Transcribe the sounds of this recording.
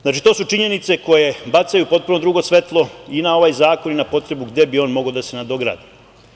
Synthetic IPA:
znaːt͡ʃit̪o̞ːsut͡ʂiɲe̞nit̪se̞ko̞je̞bat̪sajupo̞t̪̚punod̪ɾuɡosʋe̞t̪lˠo̞inao̞ʋajzaːko̞ninapo̞t̪ɾe̞buɡd̪e̞bio̞nmo̞ɡaod̪asenad̪o̞ɡɾa̰ːd̪i

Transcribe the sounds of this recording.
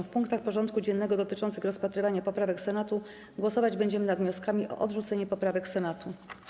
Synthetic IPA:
fpuŋk̚t̪axpɔʐɔnt̪̚kud͡ʑɛnːɛɡɔd̪ɔt̪ɘt͡ʂɔnt̪sɘxɾɔspat̪ɾɘvaɲapɔpɾavɛksɛnat̪u | ɡwɔsɔvad͡ʑbɛɲd͡ʑɛmɘnad̪vɲɔskamʲiʔɔ̰ʔɔd̪ʐut̪sɛɲɛpɔpɾavɛksɛnat̪u

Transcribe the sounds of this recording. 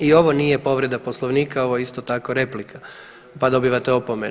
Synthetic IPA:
io̞ʋo̞niːjepo̞ʋɾe̞d̪aposlˠoʋniːkao̞ʋoist̪ot̪ako̞ɾe̞plikʰa | pad̪o̞biʋat̪eo̞pome

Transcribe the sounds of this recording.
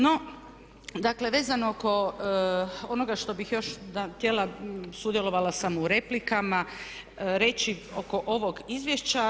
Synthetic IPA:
no̞ | d̪akle̞ʋe̞ːzanooko̞ | o̞noɡaʃt̪o̞bixjo̞ʃd̪at̪jelasud̪je̞lo̞ʋalasamuɾe̞plikama | ɾe̞t͡ɕio̞ko̞ʔo̞ʋo̞ɡizʋjeʃt͡ɕa

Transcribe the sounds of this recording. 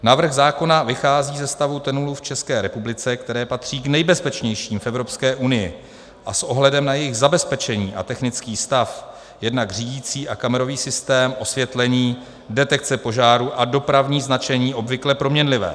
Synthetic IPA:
navɾr̩ɣzaːko̞navɪxaːziːzɛst̪avut̪ɛnuluft͡ʃɛskɛːɾɛpublɪt͡sɛkt̪ɛɾɛːpat̪r̝̥iːɡnɛjbɛspɛt͡ʃɲɛjʃiːmfɛvɾo̞pskɛːʔunɪjɪ̰ | ʔa̰sʔo̞ɦlɛdɛmnajɛjɪɣzabɛspɛt͡ʃɛɲiːʔa̰t̪ɛxnɪt͡skiːst̪af | jɛdnaɡr̝iːɟiːt͡siːʔakamɛɾo̞viːsɪst̪ɛːmʔo̞svjɛt̪lɛɲiː | dɛt̪ɛk̚t͡sɛpo̞ʒaːɾuʔado̞pɾavɲiːznat͡ʃɛɲiːʔo̞bvɪklɛpɾo̞mɲɛnlɪvɛ̰ː

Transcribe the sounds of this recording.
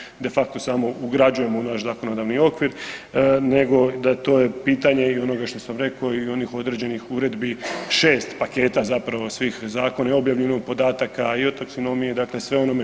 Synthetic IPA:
d̪e̞fak̚t̪o̞saːmo̞uɡɾad͡ʑuje̞mo̞unaʃzako̞no̞d̪aːʋnio̞kʋiɾ | ne̞ɡo̞d̪at̪o̞ːje̞piːt̪aɲe̞io̞no̞ɡaʃt̪o̞samɾe̞koio̞nixo̞d̪ɾe̞ːd͡ʑe̞nixuɾe̞d̪biʃeːst̪pake̞ːt̪azapɾaʋo̞sʋiːxzaːko̞nao̞bjaʋʎenopo̞d̪aːt̪akaiot̪aksono̞mijed̪aːkle̞sʋe̞o̞no̞me

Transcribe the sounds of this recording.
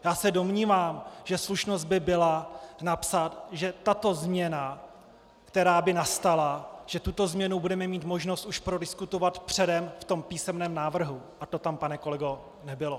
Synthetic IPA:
jaːsɛdo̞mɲiːvaːmʒɛsluʃno̞zd̪̚bɪbɪlanapsat̪ʒɛt̪at̪o̞zmɲɛna | kt̪ɛɾaːbɪnast̪alaʒ̥ɛt̪ut̪o̞zmɲɛnubudɛmɛmiːt̪mo̞ʒno̞st̪ʔuʃpɾo̞dɪskut̪o̞vat̪pr̝̥ɛdɛmft̪o̞mpiːsɛmnɛːmnaːvr̩ɦu | ʔat̪o̞t̪ampanɛko̞lɛɡo̞ | nɛbɪlo

